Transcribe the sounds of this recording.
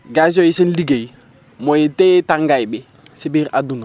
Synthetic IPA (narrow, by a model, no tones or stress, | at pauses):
ɡas̬ɔisinliɡei | mɔetetaŋɡajbɪ | sibiɾadun